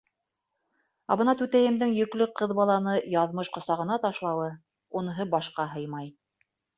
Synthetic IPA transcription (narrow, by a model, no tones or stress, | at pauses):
ɑβɤ̆nɑt̪ʉt̪æjɘ̆md̪ɘŋjɵ̆klɵqʰɤðbɑlˠɑnɤjɑðmɤʃqŏsɑʁɤ̆nɑt̪ɑʃlˠɑwɤ | unɤ̆ɦɤbɑʃqɑɦɤjmɑj